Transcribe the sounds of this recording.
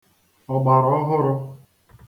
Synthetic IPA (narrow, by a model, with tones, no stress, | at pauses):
ɔ˨ɡ͡ba˨ɾɔ˦ɦʊ˦ɾʊ˦